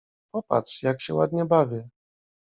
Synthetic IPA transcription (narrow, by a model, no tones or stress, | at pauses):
pɔpa̰tʂjakɕɛwad̪ɲɛbavʲɛ